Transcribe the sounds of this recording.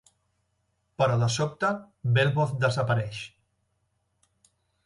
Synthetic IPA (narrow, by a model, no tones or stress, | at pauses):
pəɾələsɔp̚t̪ə | belˠβoθd̪əzəpəɾɛʃ